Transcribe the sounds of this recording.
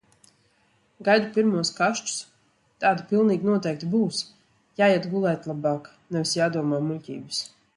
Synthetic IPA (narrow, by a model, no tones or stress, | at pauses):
ɡajd̪upʲiɾmuɔskaʃt͡ʃu̥s | t̪aːd̪upilˠniːɡnuɔt̪ɛjk̚t̪ibuːs | jaːjɛt̪ɡulˠɛːt̪lˠabaːk | nɛvʲisjaːd̪uɔmaːmulʲcʲḭːbɨs